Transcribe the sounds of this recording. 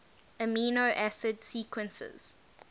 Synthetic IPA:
əmiːnoʔæsɪdsiːkwə̃nsə̰z̥

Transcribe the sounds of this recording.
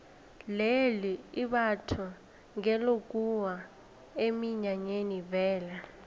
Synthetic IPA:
leliiɓatʰu | ŋɛlok̬ʼuwa | emiɲaɲenivɛːla

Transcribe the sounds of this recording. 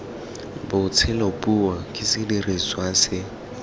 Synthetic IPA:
bʊt͡sʰɪlopʼuwakʼɪsɪdiriswasɪ

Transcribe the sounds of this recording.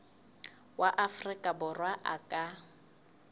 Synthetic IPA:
waʔafrɪkʼabʊrwaʔakʼa

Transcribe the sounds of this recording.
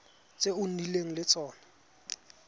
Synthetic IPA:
t͡sʼeʊn̩ileŋ̩lɪt͡sʼɔːna

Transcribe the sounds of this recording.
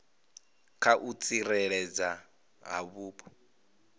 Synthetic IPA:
kʰaʔut͡sʼiɾɛɺɛd͡za | ɦa̰βuːpʰɔ̥

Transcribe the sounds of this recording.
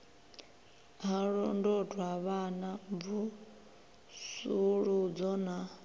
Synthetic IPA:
ɦaɺɔndɔtʰʼwaβanavu | suɺud͡zɔna

